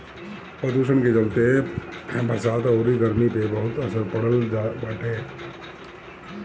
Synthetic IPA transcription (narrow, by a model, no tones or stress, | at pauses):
pɾəd̪uːʃ̬əɳ̃ked͡ʒəlt̪e | bʱəɾsaːt̪oːɾiɡəɾmipebɐɦʊt̪ɐsəɾpɐɽ̤əld͡ʒabəʈʰeː